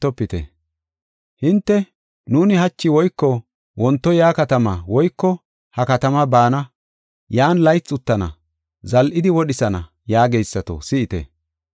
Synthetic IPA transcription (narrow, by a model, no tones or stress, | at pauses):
t̪ːɔpːɪt̪ɛ̰ | hɪnt̪ːɛ | nuːnɪhɐt͡ʃːɪwɔjkːɔ | wɔnt̪ːɔjaːkɐt̪ɐmɐwɔjkːɔ | hɐkɐt̪ɐmɐbaːnɐ | jaːnlɐjt͡sːʊt̪ːɐnɐ̰ | zɐlʔɪd̪ɪwɔɗɪsɐnɐ̰ | jaːɡejsːɐt̪o̰sɪɪt̪ɛ̰